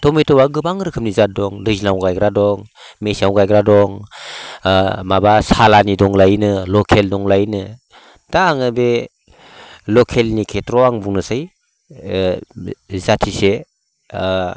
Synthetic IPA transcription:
tɔmetɔwaɡɯbaŋɾɯkʰɯp̚nizat̚dɔŋdɯzinawɡajɡɾadɔŋ | mesawɡajɡɾadɔŋ | mabasalanidɔŋlajnɯlɔkʰeldɔŋlajnɯ | taːŋɯbe | lɔkʰelnikʰetɾɔaŋbuŋnɯsaj | zatʰise

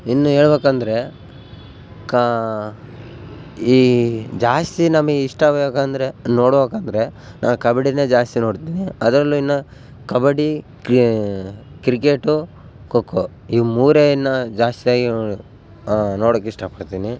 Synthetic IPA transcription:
inːuɦe̞ːɭbeːkɐnd̪ɐɾe̞ | k | iːd͡ʒaːst̪inɐmɐɡeiʂʈɐbɐekaːnd̪ɐɾenoːɽbeːkaːnd̪ɐɾe̞ | nʔaːnkɐbɐɽined͡ʒaːst̪inoːɽt̪iːniɐd̪ɾɐlːuinːɐ | kɐbɐɽi | kɾikeːʈu | kokːo | imuːɾejɐnːɐd͡ʒaːst̪ijaːɡi | noːɽoːkːɛʂʈaːpɐɽt̪iːni

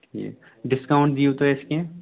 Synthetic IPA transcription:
ʈʰiḛ | ɖɪskaːʊ̃ɳʈ̚d̪iũt̪oeskeẽ

